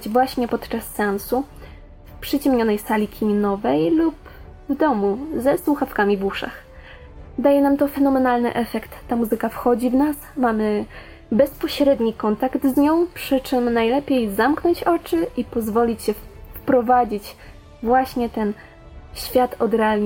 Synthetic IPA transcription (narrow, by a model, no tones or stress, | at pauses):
d͡ʑvwaɕɲɛpɔt̪t͡ʂasːɛɛansu | fpʂɘt͡ɕɛmɲɔnɛjsalʲikʲʰimʲinɔvɛjlup | vd̪ɔmuzɛswuxafkamʲivuʂa̰x | d̪ajɛnamt̪ɔfɛnɔmɛnalnɘ̰ʔɛfɛkt̪ːamuzɘkafxɔd͡ʑivnasmamɘ | bɛspɔɕɾɛd̪ɲikɔnt̪akt̪zɲɔ̃w̃pʂɘt͡ʂɘmnajlɛpʲjejzamknɔɲt͡ɕɔt͡ʂɘʔipɔzvɔlʲit͡ɕɕɛfpɾɔvad͡ʑit͡ɕ | vwaɕɲɛt̪ɛn | ɕfʲjat̪ɔd̪ɾɛalɲ